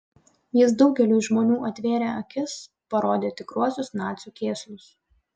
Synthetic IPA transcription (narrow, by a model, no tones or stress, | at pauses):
jɪsd̪ɒʊɡʲɛlʲuːʒmoːnʲuːʔɐt̪ʲʋʲeːɾʲeːɐkʲɪs | pɐɾoːd̪ʲeːt̪ʲɪkɾuɔsʲʊsnɑːt̪sʲuːkʲeːsʲlʲʊs